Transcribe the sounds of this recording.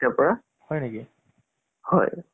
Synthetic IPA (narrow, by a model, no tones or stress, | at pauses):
tɛpɔɹa | hɔjneki | hɔ̰j